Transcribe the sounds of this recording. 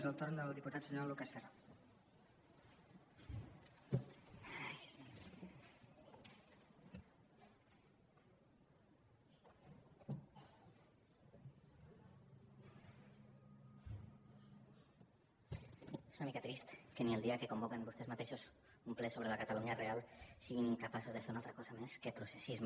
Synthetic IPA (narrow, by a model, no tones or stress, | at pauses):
zəlˠt̪oɾnd̪əlˠd̪iput̪at̪d͡ʒənalukast̪eɾal | jz | esunamikat̪ɾist̪kənielˠd̪iakekombokembust̪ezmat̪eʃos | umplɛsoβɾelakat̪aluɲarealˠsiɣiniŋkapasozðəfeɾunalˠt̪ɾakɔzameskepɾusesizm